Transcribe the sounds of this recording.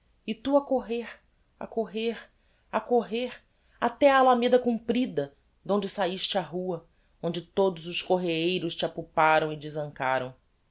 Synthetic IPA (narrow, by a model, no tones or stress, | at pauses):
ɪt̪uɐkoɦeɾ | a̰koɦeɾ | akoɦeɾ | at̪ɛaːlamed̪ɐkũpɾid̪ɐ | d̪õñd͡ʒɪsaiʃt͡ʃɪaɦuɐ | õnd͡ʒɪt̪od̪ʊzʊskoɦeejɾʊst͡ʃɪapupaɾɐ̃w̃ɪd͡ʒɪzɐ̃ŋkaɾɐ̃w̃